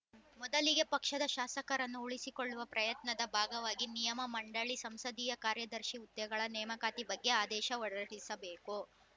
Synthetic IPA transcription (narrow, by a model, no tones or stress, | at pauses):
mɔd̪ɐliɡe̞pɐkʂɐd̪ɐʃaːsɐkɐɾɐnːuuɭisikoɭːuʋɐpɾɐjɐt̪nɐd̪ɐbʱaːɡɐʋaːɡinijɐmɐmɐɳɖɐɭisɐmsɐd̪iːjɐkaːɾjɐd̪ɐɾʃiut̪ːɐjɐɡɐɭɐnɛːmɐkaːt̪ibɐɡːe̞aːd̪ɛːʃɐɔɽɐɐɽisɐbeːku